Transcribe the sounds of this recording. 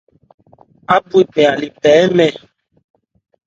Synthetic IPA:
a˦bu˦i˨bɛ̃˨a˨li˨pɛː˨˦mɛ˨

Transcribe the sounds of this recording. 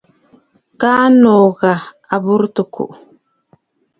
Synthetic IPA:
kaː˦no˨ɣa˨ | a˨bu˦ɾtu˨kṵ˨ʔ

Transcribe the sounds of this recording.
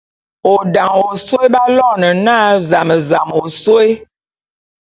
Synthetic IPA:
o˨da˨ŋo˨so˦e˦ba˦lɔ˦˨nə˨naː˦za˨mə˨za˨mo˨so˦e˦

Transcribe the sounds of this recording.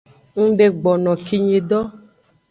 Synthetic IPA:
ŋ̩˦ɖe˨ɡ͡bɔ˨nɔ̃˨ki˨ɲĩ˨ɖɔ˦

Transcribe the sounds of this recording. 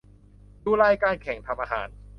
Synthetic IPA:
duː˧˩lɛː˧jkaː˧nkʰɛ˨˩˦ŋt̪ʰa˧mʔaː˧ɦa̰ː˩˦n

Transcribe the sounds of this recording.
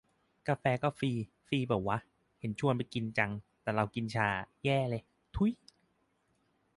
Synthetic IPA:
ka˧fɛː˧kɔː˥˩fiː˧ | fiː˧bɛː˨˩p̚waː˦˥˩ | he˩˦nt͡ɕʰu˥˩ənpa˧ki˧nt͡ɕa˧ŋt̪ɛː˨˩ɾa˧wki˧nt͡ɕʰaː˧˩jɛː˥˩lɤ˧j | t̪ʰu˧˥˦j

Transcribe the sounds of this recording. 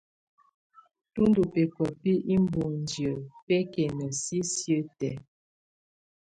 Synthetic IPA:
tu˦ndu˨pe˨kə˨pi˦ʔi˦m˦bu˨n˨djə˨pe˦kɛ˨nə˨si˦sjə˦tɛ˨

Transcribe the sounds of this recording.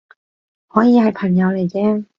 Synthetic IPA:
hɔː˨˥jiː˨˧hɐ˨˧jpʰɐ˨˩ŋjɐ˨˥wle˨˩jt͡sɛː˧

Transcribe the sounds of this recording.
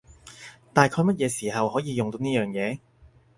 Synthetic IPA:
t̪aː˨jkʰɔː˧mɐ˥t̚jɛː˨˧siː˨˩hɐ˨whɔː˨˥jiː˨˧jʊ˨ŋt̪o˧wniː˥jœː˨ŋjɛː˨˧

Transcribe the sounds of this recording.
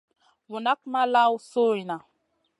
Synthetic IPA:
wu˨na˦k̚ma˦la˦wso˦i˨na˨

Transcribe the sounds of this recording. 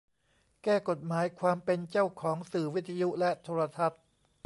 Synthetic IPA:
kɛː˥˩ko˨˩t̪̚maː˩˦jkʰwaː˧mpe˧nt͡ɕa˥˩wkʰɔː˩˦ŋsɯː˨˩wi˦˥t̪ʰːa˧ju˦˥lɛ˦˥ʔt̪ʰoː˧ɾa˧t̪ʰa˦˥t̪̚

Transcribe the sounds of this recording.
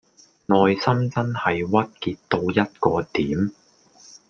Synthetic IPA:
nɔː˨jsɐ˥mt͡sɐ˥nhɐ˨jwɐ˥t̚kiː˧tt̪o˧wjɐ˥t̚kɔː˧t̪iː˨˥m

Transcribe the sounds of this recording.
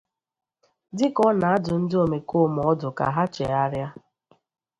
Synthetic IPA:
dɪ˦kɔ˦na˨a˦dʊ˨n̩˦do˨me˨ko˦m˨ɔ˦dʊ˨ka̰˨ɦa˦t͡ʃḛ˨a˦ɾja˦

